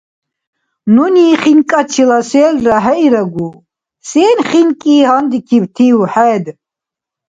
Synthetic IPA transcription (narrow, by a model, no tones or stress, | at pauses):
nuniːχiŋkʼat͡ʃʰilasɛːlraɦɛiɾaɡu | sɛːnχinkʼiːɦand̪ikʰibt̪ʰiwħɛːd̪